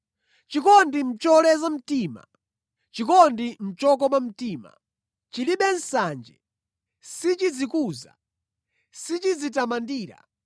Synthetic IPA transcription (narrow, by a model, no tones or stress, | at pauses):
t͡ʃikɔndim̩t͡ʃɔlɛzam̩tiːma̰ | t͡ʃikɔndim̩t͡ʃɔkɔmam̩tiːma̰ | t͡ʃiliɓɛn̩sand͡ʒɛ̰ | sit͡ʃid͡zikuːza̰ | sit͡ʃid͡zitamandiːɾa̰